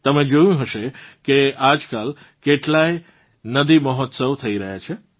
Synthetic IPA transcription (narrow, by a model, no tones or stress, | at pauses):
t̪əmẽd͡ʒojũɦəʃekead͡ʒkal | keʈlaj | nəd̪iməɦɔt̪səwt̪ʰəiɾəɦjat͡ʃʰe